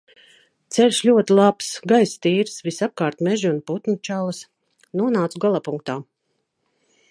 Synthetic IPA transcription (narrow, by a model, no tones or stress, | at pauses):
t̪sɛlʲʃlʲuɔt̪ilˠapsɡajst̪iːɾsvisap̚kaːɾt̪mɛʒiunput̪nut͡ʃalˠs | nuɔnaːt̪suɡalˠapuŋk̚t̪aː